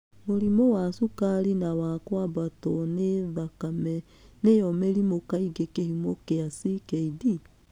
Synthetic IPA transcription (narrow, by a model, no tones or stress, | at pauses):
moɾimowasukaɾinawakwabatɔneðakamɛ | nejɔmeɾimokaiɡekehimokeasikɛidi